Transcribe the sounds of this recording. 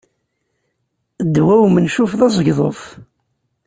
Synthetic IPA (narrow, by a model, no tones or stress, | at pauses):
d̪wæwmənʃufðˤɑzˤəʝðˤo̰ðˤ